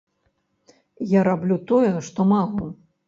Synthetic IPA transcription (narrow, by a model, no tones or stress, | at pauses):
jaɾablʲut̪ɔjɛʂt̪ɔmalˠu